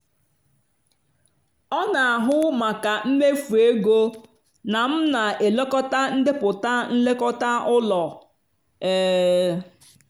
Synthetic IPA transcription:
ɔ˦na˨a˨ɦʊ˦ma˨ka˨m̩˦me˦fu˨e˦ɡo˦ | na˨m̩˦na˨e˨lo˦kɔ˦ta˦n̩˦dɪ˦pʊ˨ta˦n̩˦le˦kɔ˦ta˦ʊ˦lɔ˨ | eː˦

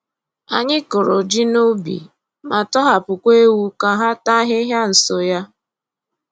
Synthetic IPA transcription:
a̰˨ɲɪ˦kʊ˨ɾʊ˨d͡ʒi˦no˦bḭ˨ | ma˨tɔ˦ɦa˨pʊ˨kʷe˦wu˦ka˦ɦa˦ta˦ɦɪ˦ɦja˦n̩˨so˨ja˦

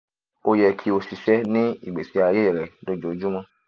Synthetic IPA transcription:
o˧jɛ˧kʰi˧˦o˧si˨sɛ˦nĩ˦ḭ˦˨ɡ͡be˨si˧˦a˧je˦i˦˨ɾɛ˨do˧d͡ʒo˨˦d͡ʒu˦mɔ̃˧

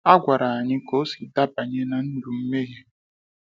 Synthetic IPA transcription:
a˦ɡʷa˨ɾa˨a˨ɲɪ˦ko˦si˨da˦ba˨ɲe˦na˨n̩˦du˨m̩˦me˦ɣe˦

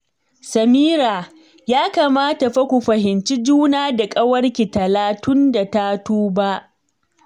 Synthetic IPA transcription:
sɐ˨miː˦ɾa˨ | jaː˦kaː˨maː˦ta˨ɸɐ˦kʷu˨ɸɐ˨ɦɪ˨nt͡ʃi˦d͡ʒuː˦naː˦da˨kʼɐ˦wɐ˦rkʲi˨tɐ˨laː˨˦tʊ˦nda˨taː˦tuː˦ba˦ʔ

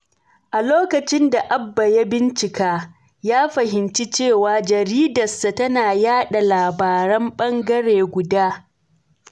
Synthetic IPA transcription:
ʔa˨loː˦kɐ˨t͡ʃɪ˦nda˨ʔa˦bːa˨ja˦bɪ˦nt͡ʃɪ˨kaː˦ | jaː˦ɸɐ˨ɦɪ˨nt͡ʃi˦t͡ʃeː˦˨waː˨d͡ʒɐ˨ɾiː˦dɐ˨sa˨tɐ˦naː˨jaː˦ɗa˨laː˨baː˨ɾɐ˦mɓɐ˦ŋɡɐ˦ɽeː˨ɡʷʊ˨daː˦

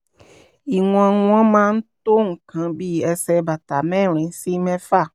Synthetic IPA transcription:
i˨ŋ˨ã˨ŋũ˦ã˦mã˦n̩˦t̪o˦ŋ̩˨kã˨bi˦ɛ˨sɛ˨ba˨t̪a˨mɛ̃˦ɾ̃ĩ˨˦si˦mɛ̃˦fa˦˨

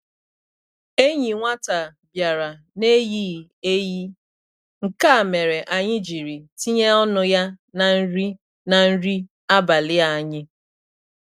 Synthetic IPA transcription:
e˦ɲi˨ŋʷa˦ta˨bja˨ɾa˨ | ne˦jiː˦ | e˦ji˦ | ŋ̩˨ka˦˨me˨ɾe˨ʔa˨ɲɪ˦d͡ʒi˨ɾi˨ti˦ɲe˦ɔ˦nʊ˦ja˦na˨n̩˦ɾi˦ | na˨n̩˦ɾi˦ | a˦ba˨lɪ˦a˨˦˨ɲɪ˦

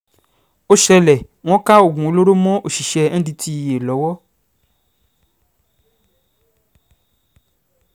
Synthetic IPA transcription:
o˦ʃɛ˧lɛ˨ | w̃ɔ̃˦ka˦o˦˨ɡũ˨o˨˧lo˦ɾo˦mɔ̃˦ʔo˨ʃi˨ʃɛ̃˧˦dĩ˧ti˧i˨je˨lɔ˨˦wɔ˦

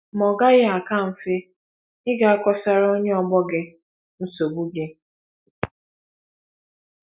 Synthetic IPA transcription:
mɔ˨ɡa˦ɣɪ˦a˨ka˦˨m̩˨fe˦ | ɪ˦ɡa˨a˦kɔ˦sa˦ɾo˦ɲe˦ɔ˨ɡ͡bɔ˦ɡɪ˦ | n̩˦so˨bu˦ɡe˦

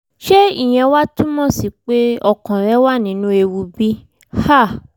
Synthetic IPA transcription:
ʃe˦i˦˨j̃ɛ̃˧wa˦tũ˦mɔ̃˦˨si˨k͡pe˦ɔ˦˨kɔ̃˨ɾɛ˦wa˦nĩ˨˦nũ˦e˧wu˧bi˦ | ha˦˨

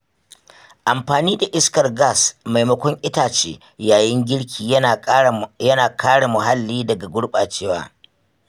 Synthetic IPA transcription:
ʔa˨mɸaː˨niː˦da˨ʔɪ˦skɐ˨rɡa˦˨sma˨jmɐ˦kʷɔ˦ŋʔɪ˦taː˨t͡ʃḛː˦ | jaː˨jɪ˦ŋɡʲɪ˦ɽkʲʰiː˨˦˨jɐ˦naː˨kʰaː˦ɽa˨mʊ˨ɦa˦lːiː˦dɐ˨ɡa˨ɡʷʊ˦ɽɓaː˨t͡ʃeː˦wa̰ː˨

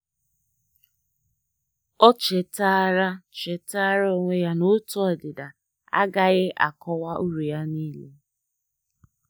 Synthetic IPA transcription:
ɔ˦t͡ʃe˨ta˦ɾa˦t͡ʃe˨ta˦ɾa˦o˦ŋʷe˦ja˦nʊ˦tɔ˦˨dɪ˨da˨ | a̰˦ɡa˨ɣɪ˦ʔa̰˨kɔ˦wa˦ʔu˦ɾu˨ja˦niː˦le˦

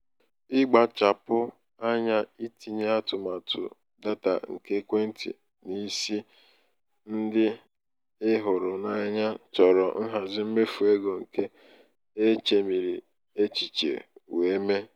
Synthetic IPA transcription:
ɪ˦ɡ͡ba˨t͡ʃa˨pʊ˦ | a˦ɲa˦i˦ti˨ɲe˦a˦tʊ˨ma˨tʊ̰˨ | da˦ta̰˨ŋ̩˨ke˦kʷe˦n̩˦tḭ˨ | ni˦si˦ | n̩˦dɪ˦ | ɪ˦ɦʊ˨ɾʊ˨na˦ɲa˦t͡ʃɔ˨ɾɔ˨n̩˦ɦa˨zɪ˦m̩˦me˦fu˨e˦ɡo˨ŋ̩˨ke˦ | e˦t͡ʃe˨mi˨ɾi˨ | e˦t͡ʃi˨t͡ʃḛ˨we˨˦me˦

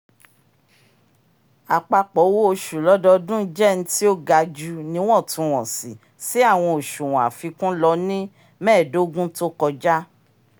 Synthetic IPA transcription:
a˨k͡pa˧k͡pɔ˨˦wo˦o˧ʃu˨lɔ˨˦dɔ˧dũ˦d͡ʒɛ˦˨ñ̩˦ti˦o˦ɡa˧d͡ʒu˦nĩ˧˦w̃ɔ̃˦˨tũ˧w̃ɔ̃˨si˨ | si˨˦a˦˨w̃ɔ̃˧o˨ʃũ˨w̃a̰˨fi˧kũ˦lɔ˧nĩ˦ | mɛ̃ː˦˨do˨˦ɡũ˦to˦kɔ˧d͡ʒa˦

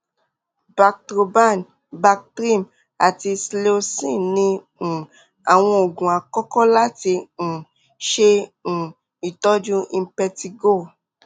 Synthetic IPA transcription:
ba˧k̚tɾo˧ba˦˨n | ba˧k̚tɾi˦˨m | a˨ti˧sle˦o˧sĩ˦˨nĩ˧˨ | a˨w̃ɔ̃˧o˨ɡũ˨a˨kɔ˦kɔ˦la˦tĩ˧˨ | ʃẽ˧˨ | i˨tɔ˦d͡ʒũ˦i˧˦pɛ˧ti˧ɡo˦˨

